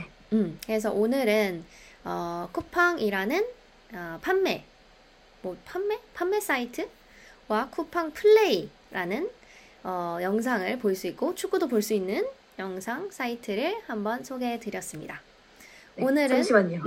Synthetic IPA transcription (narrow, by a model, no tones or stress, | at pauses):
e | ɯmkɯɾe̞s̬ʰʌ̰ʔonɯɾɯnʌkʰupʰaŋiɾanɯn | ʌpʰanːe̞ | mopʰamːe̞pʰanːe̞s͈aitʰɯ | wakʰupʰaŋpʰɯɭːei | ɾanɯn | ʌjʌŋs̬ʰaŋɯɭpoiɭs͈uik͈̚ot͡ɕʰuk͈udopoɭs͈uinːɯn | jʌŋsʰaŋs͈ʰaitʰɯɾɯɭhambʌnsʰoɡe̞tɯɾjʌs͈ɯmɲḭda | onɯɾɯsaɲo